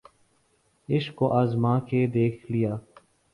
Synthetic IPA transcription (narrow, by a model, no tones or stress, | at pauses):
ɪʃkːoʔaːzmãːkeːd̪eːkʰlɪjaː